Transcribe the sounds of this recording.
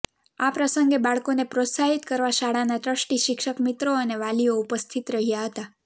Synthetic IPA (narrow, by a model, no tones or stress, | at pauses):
apɾəsəŋɡebaɭkonepɾot̪saɦit̪kəɾʋaʃaɽanaʈ̪ɾəʃʈiʃɪkʃəkmit̪ɾoəneʋalioupəst̪ʰit̪ɾəɦijaɦət̪a